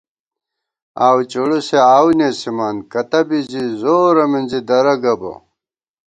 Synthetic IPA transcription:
aːwt͡ɕuɽuseaːwnesimankɐt̪ɐbizizoːɾɐminzid̪ɐɾɐɡɐbɐ̰

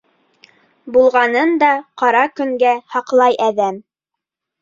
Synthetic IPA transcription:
bulˠʁɑnɤnd̪ɑqɑɾɑkɵ̆ŋɡæhɑqlˠɑjʔæðæm

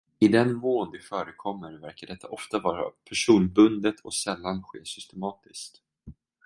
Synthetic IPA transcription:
ɪd̪ɛnmoːnd̪ɪfœːɾəkʰɔmːəɾvæɾkaɖɛt̪ʰːaʔɔft̪avɑːɾa̰pʰæʂuːnbɵnd̪ət̪ʰɔsɛlːanɧeːsʏst̪ɛmɑːt̪ɪskt̪

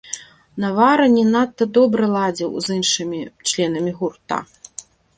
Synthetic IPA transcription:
nɐvaɾɐnʲɛnat̪ːɐd̪ɔbɾɐlˠad͡zʲiwzɨnʂɨmʲit͡ʂlʲɛnɐmʲiɣurt̪a̰

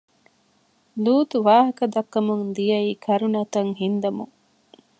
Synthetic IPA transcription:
luːt̪uʋaːɦɐkɐd̪ɐkːɐmuŋd̪ijɐiːkʰɐɾunɐt̪ɐŋɦind̪ɐmuŋ

